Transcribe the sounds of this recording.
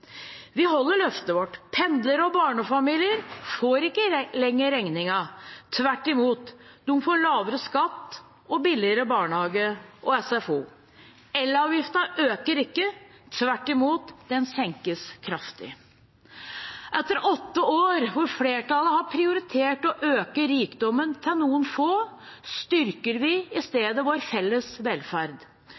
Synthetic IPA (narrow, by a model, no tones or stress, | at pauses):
ʋɪɦɔlːəɭœft̪əʋɔʈːpʰɛnd̪ləɾɔbɑːɳəfɑmiːlɪəɾfoːɾɪkːəlɛŋːəɾɛŋnɪŋɑt̪ʰʋæʈːɪmuːt̪d̪ʊfoːɭɑːʋəɾəskɑt̪ː | ɔbɪlɪəɾəbɑːɳəhɑːɡəʔɔɛsɛfuː | ɛlːəɾɑːʋjɪft̪ɑʔøːkəɾɪkːə | t̪ʰʋæʈːɪmuːt̪d̪̥ɛnsɛŋkəskʰɾɑft̪ɪ̰ | ʔɛt̪ːəɾɔt̪ːəoːɾʋʊɾfleːʈʰɑləɦɑɾpʰɾɪʊɾɪt̪ʰeːʈɔʔøːkəɾiːkd̪ɔmːənt̪ʰɪlnuːənfoː | st̪ʏɾkəɾʋɪɪst̪eːd̪əʋoːɾfɛlːəsʋɛlfæɾd̪